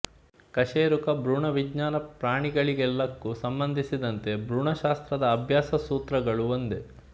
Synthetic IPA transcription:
kɐʃeːɾukɐbɾuːɳɐʋid͡ʒɲaːnɐpɾaːɳiɡɐɭiɡɛlːɐkːusɐmbɐnd̪ʱisid̪ɐnt̪e̞bɾuːɳɐʃaːst̪ɾɐd̪ɐːbʱjaːsɐsuːt̪ɾɐɡɐɭuond̪e

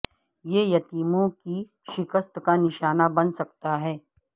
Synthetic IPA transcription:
jeːjɐt̪iːmõki | ʃɪkəst̪kanɪʃaːnabɐnsɐkt̪aɦɛː

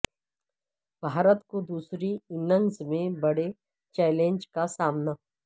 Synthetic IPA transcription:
bʱaːɾət̪kod̪uːsɾiɪnə̃ŋzmẽbəɽe | t͡ʃɛːlẽɲd͡ʒkasaːmna

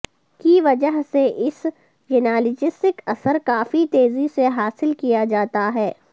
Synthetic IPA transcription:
kiʋɐd͡ʒəɦseʔɪs | d͡ʒɪnaːlɪd͡ʒɪsʈɪkɐsəɾkaːfit̪eːziseɦaːsɪlkijad͡ʒaːt̪aɦɛː

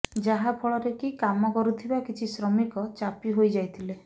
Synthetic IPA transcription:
d͡ʒaɦapʰɔɭɔɾekikamɔkɔɾut̪ʰibakit͡ʃʰisɾɔmikɔt͡ʃapiɦojd͡ʒajt̪ʰile

